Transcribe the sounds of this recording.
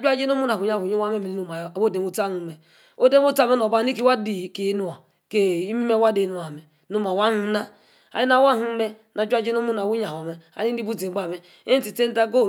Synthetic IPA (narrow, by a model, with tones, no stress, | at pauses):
d͡ʒʷu˦a˦d͡ʒe˦n˦o˦mu˦na˨ɲa˦˨u˨ɲe˦wa˦me˦me˨i˦u˨ma˨a˨wo˦˨de˨mo˦ta˦nu˨m̩˦me˨ | o˦de˦mo˦ta˦me˦n˨o˨ba˦ni˦ki˦wa˦di˨ke˨˦nu˦a˨ | ke˨i˦mi˦me˦wa˦de˨nu˨˦a˨me˨ | nu˦ma˨wa˦nu˦na˦ | a̰˨ji˦na˦wa˦ɦu˦m̩˦me˦ | na˨d͡ʒʷa˦d͡ʒe˦n˦o˦mu˦na˨wu˦ɲa˨o˨me˨a̰˨ni˦n˦i˦bu˦ti˨˦ɡ͡ba˦˨me˦ | e˦n̩˦ti˨te˦n̩˦ta˦ɡo˦˨